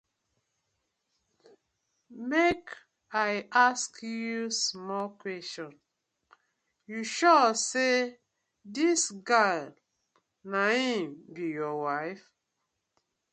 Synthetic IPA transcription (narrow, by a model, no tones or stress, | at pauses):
mek | aaskjusmɔlkwɛstɔ̃n | juʃɔse | disɡal | nahĩmbijɔwaɪf